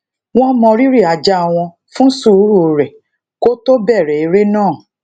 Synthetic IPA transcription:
w̃ɔ̃˦mɔ̃˧ɾi˦ɾi˦˨a˨d͡ʒa˦a˧w̃ɔ̃˧ | fũ˦su˦˨˦ɾu˦o˧ɾɛ˨ | ko˦to˦bɛ˦˨ɾɛ˨i˨˧ɾe˦nãː˦˨

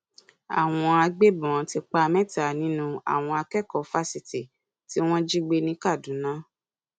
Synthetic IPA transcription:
a̰˨w̃ɔ̃˧a˧ɡ͡be˦˨bũ˨ã˨˧ti˧k͡pa˧mɛ̃˦ta˨nĩ˨˦nũ˧˦a̰˨w̃ɔ̃˧a˧kɛ˦˨kɔ˨fa˦si˨ti˨ | ti˦w̃ɔ̃˦d͡ʒi˦ɡ͡be˧nĩ˦ka˦˨dũ˨˦nã˦

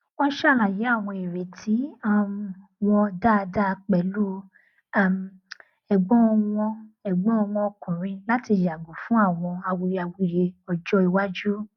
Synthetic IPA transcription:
ɔ̃˦ʃa˦˨lã˨je˨˦a˦˨w̃ɔ̃˧e˨ɾe˨tʰi˨˦a˦˨˧wɔ̃˧da˦˧da˦˧k͡pɛ˨lu˦ | a˨m | ɛ˨ɡ͡bɔ̃˦˧wɔ̃˧ɛ˨ɡ͡bɔ̃˦ɔ˧wɔ̃˧ɔ˧kũ˨ɾ̃ĩ˧la˦ti˧ja˨ɡu˨fũ˦a˦˨w̃ɔ̃˧a˧wu˧ja˧wu˧˦je˧ɔ˧d͡ʒɔ˦i˧wa˦d͡ʒu˦

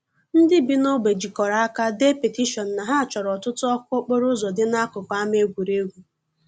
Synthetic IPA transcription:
n̩˦dɪ˦bi˦no˦ɡ͡be˨d͡ʒi˨kɔ˨ɾa˨a˦ka˦de˦pe˨ti˦ʃɔ˨n̩˨na˨ɦa˦a˨t͡ʃɔ˨ɾɔ˨tʊ˦tʊ˦ɔ˦kʷo˦k͡po˦ɾʊ˦zɔ˨dɪ˦na˦kʊ˨ka˦me˦ɡʷu˨ɾe˦ɡʷu˨

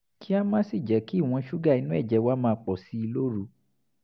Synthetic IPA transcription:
kʰi˦a˦mãː˦si˦˨d͡ʒɛ˨˦ki˦˨w̃ɔ̃˧˦ʃu˦ɡa˦˨i˨˧˦nũ˦ɛ˦˨d͡ʒɛ˨˧wa˦mãː˦˧k͡pɔ˨si˦i˧lo˦ɾu˨˧

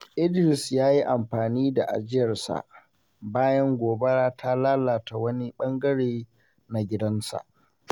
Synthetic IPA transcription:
ʔɪ˦dɾɪ˨sjaː˦ji˦ʔa˨mɸaː˨niː˦da˨ʔa̰˨d͡ʒɪ˦jɐ˨rsa̰˨ʔ | baː˦jɐ˦ŋɡʷoː˨be˦ɽaː˦tʰa˦laː˦laː˨ta˨wɐ˦ni˦ɓɐ˦ŋɡɐ˦ɽeː˨ | na˨ɡʲɪ˦dɐ˦nsa̰˨ʔ

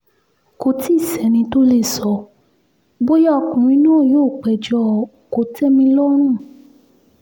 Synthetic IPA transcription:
ko˧˦ti˦˨sɛ˨˦nĩ˧to˦le˦˨sɔ˧ | bo˦jɔ˦˨kũ˨mĩ˨˦nũ˦˨joː˦˨k͡pɛ˨d͡ʒɔ˧˦˨ko˨tɛ˦mĩ˧lɔ˦ɾ̃ũ˦˨

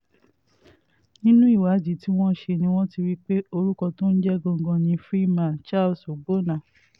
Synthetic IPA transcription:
nĩ˦nũ˦i˦˨wa˨˦d͡ʒi˨˦ti˦w̃ɔ̃˦ʃe˧nĩ˧w̃ɔ̃˦ti˧ɾi˦k͡pe˦o˧ɾu˦kɔ˧to˦n̩˦d͡ʒɛ˦ɡɔ̃˧ŋ˨ɡɔ̃˧nĩ˧fɾi˦mã˨t͡ʃa˦˨lso˨ɡ͡bo˦nã˨

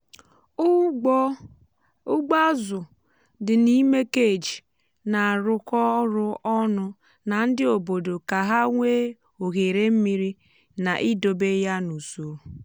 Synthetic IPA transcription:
ʊ˦ɡ͡ba˦zʊ˨ | dɪ˨ni˦me˦ke˦˨d͡ʒi˨ | na˨ɾʊ˦kɔ˦ɾʊ˦ɔ˦nʊ˦ | na˨n̩˦dɪ˦o˨bo˨do˨ka˨ɦa˦ŋʷe˦ | o˨ɣe˨ɾe˦m̩˦mi˦ɾi˦ | na˨ʔi˦do˨be˦ja˦nu˨so˨ɾo˨

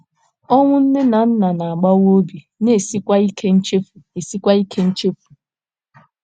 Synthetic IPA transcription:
ɔ˦ŋʷʊ˦n̩˦ne˦na˨n̩˦na˨na˨a˨ɡ͡ba˦wo˦bi˨ | ne˦˨si˦kʷa˦i˦kʰe˦n̩˦t͡ʃe˦fu˨e˨si˦kʷa˦i˦kʰe˦n̩˦t͡ʃe˦fu̥˨

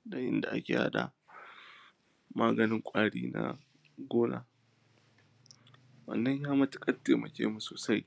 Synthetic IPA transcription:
da˨ʔɪ̰˦nda˨ʔa˦kʲeː˨ha̰˦ɗa˨ | maː˦ɡɐ˨nɪ˦ŋkʷʼaː˦ɽiː˦na̰˦ | ɡʷoː˦naː˨ | wɐ̰˨nːɐ˦ɲjaː˦mɐ˦tʊ̥˦kʼɐ˦tːeː˨mɐ˨kʲḛː˦mu˨soː˨sa˦j

